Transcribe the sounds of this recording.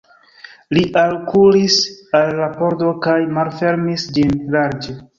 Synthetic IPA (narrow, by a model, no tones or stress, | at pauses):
liʔalkulisalːapo̞ɾdo̞kajmalfe̞ɾmisd͡ʒinlaɾd͡ʒe